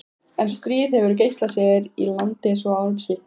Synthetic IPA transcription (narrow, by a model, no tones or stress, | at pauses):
ɛnst̪ɾiːðhɛvʏɾc̬ejst̪lasɛːðɪɾilant̪ɪsɔawɾʏmçɪft̪